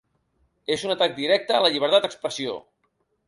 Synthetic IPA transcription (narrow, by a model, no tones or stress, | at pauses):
ezunət̪ak̚d̪iɾɛk̚t̪əːləʎiβ̞əɾt̪at̪əkspɾəsio̰